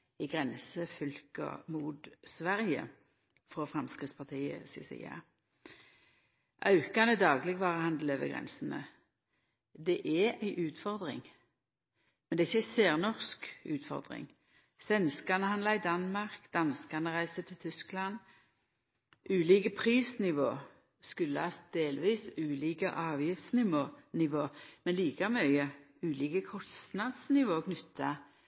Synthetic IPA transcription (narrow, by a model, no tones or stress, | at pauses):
ɪɡʁɛnsəfʏlkə̰muːd̪sʋæʁjə̰ | fʁɔfʁɑmskʁɪt̪spʰɑt̪ʰiːə̰sḭsḭɑ̰ | ʔɑʉkɑnəd̪ɑːɡlɪɡʋɑːʁəhɑnd̪l̩øːʋə̰ɡʁɛ̰nsn̩ə̰ | d̪ɛʔɛæɪʔʉːt̪fɔʁd̪ʁɪ̰ŋ | mɛnd̪ɛæɪçːəæɪseːʁnɔʁskʉːt̪fɔ̰ʁd̪ʁɪ̰ŋ | sʋɛnskɑnəhɑnlɑɪd̪ɑnmɑʁkd̪ɑnskɑʁnəʁæɪsət̪ʰɪlt̪ʰʏsklɑn | ʔʉːliːkəpʰʁiːsnɪʋo̰ː | skʉlːəhɑs̚d̪eːlʋiːsʉːliːkəʔɑːʋjɪft̪snɪʋoːnɪʋoːmɛnliːkɑmœʏə | ʉːliːkəkʰɔst̪nɑd̪snɪʋoːkʰnʏt̪ʰːɑ